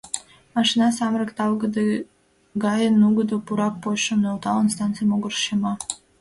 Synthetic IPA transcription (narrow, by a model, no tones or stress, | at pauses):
mɑʃinɑsɑmɾəkt̪ɑlˠɡəd̪ | ɡɑjənuɡəd̪opuɾɑk̚poʃonelˠt̪ɑlˠənst̪ɑnt̪t͡sɨjmoɡərʃemɑ